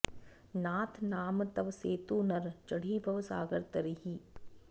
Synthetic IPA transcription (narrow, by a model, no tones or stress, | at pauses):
naːt̪ʰnaːmt̪ɐʋseːt̪uːnɐɾt͡ʃɐɽiːbʱɐʋsaːɡəɾt̪ɐɾiɦiː